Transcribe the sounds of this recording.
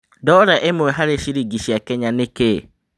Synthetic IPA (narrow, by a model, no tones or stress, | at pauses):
dɔɾaʔemʊɦaɾeʃiɾiɡiʃiakɛɲãnɪ̃ke